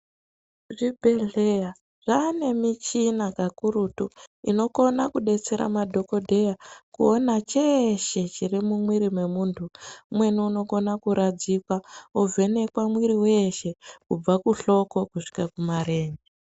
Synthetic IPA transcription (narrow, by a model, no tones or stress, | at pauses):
ʐibʱe̞ɮeja | ʐane̞mit͡ʃinakakuɾutuino̞ko̞nakuɗe̞t͡se̞ɾa̰madʱo̞ko̞dʱe̞jakuonat͡ʃeʃe̞t͡ʃirimumwiɾimwe̞muːntʰumwe̞niuno̞ko̞nakuɾad͡zikwauve̞ne̞kwamwiɾiwe̞ʃe̞kub͡vakuɬo̞ko̞kuʂi̥kakumaɾe̞ːnɡe